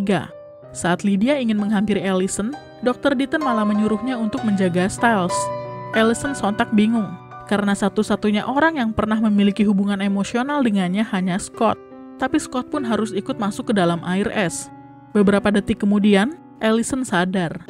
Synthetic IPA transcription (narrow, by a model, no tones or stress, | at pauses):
ɡa̰ | saːt̪lidiaiŋɪnməŋɦampiɾelisən | dɔk̚t̪ərdit̪ənmalaməɲuɾʊhɲaunt̪ʊk̚məɲd͡ʒaɡast̪ajlsʔelisənsɔnt̪ak̚biŋʊŋ | kaɾənasat̪usat̪uɲaʔoɾaŋjaŋpərnahməmilikiɦubuŋanemosionaldəŋanɲahaɲaskɔt̪̚ː | apiskɔt̪̚pʊnɦaɾʊsikʊt̪̚masʊkːədalamʔairɛs | bəbəɾapadət̪ikəmudian | ʔelisənsadar